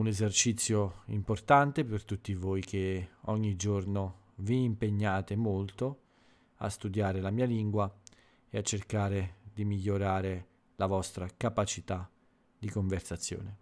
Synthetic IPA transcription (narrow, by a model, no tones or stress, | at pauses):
unezert͡ʃit̪sːjoimport̪ant̪epert̪ut̪ːivojkeɔɲːid͡ʒorno | viːmpeɲːaːt̪emolt̪o | a̰st̪ud̪jaːɾelamiːaliŋɡwa | eat͡ʃːerkaːɾed̪imiʎːoɾaːɾe | lavɔst̪ɾakapat͡ʃit̪a | d̪ikoɱversat̪sːjo̰ːne